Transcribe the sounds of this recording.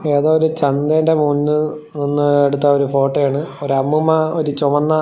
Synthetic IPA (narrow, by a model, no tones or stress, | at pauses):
eːðoːoɾut͡ɕɐnd̪endemuːnːɨ | ninːueɽut̪ːɐoɾufo̞ːʈːɐjaːɳɨoɾɐmːumɐoɾut͡ɕomɐnːɐ